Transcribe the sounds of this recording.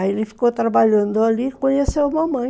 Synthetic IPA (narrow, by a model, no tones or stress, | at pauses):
aelɪfi̥kot̪ɾabaʎɐ̃nd̪ʊalikõɲesewumɐmɐ̃j̃